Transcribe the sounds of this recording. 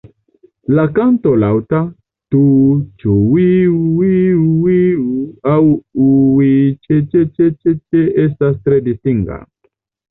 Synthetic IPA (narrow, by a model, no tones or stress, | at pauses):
lakantolawta | tut͡ʃuwiwiwiuawuwit͡ʃet͡ʃet͡ʃet͡ʃet͡ʃeʔestastɾedistiŋɡa̰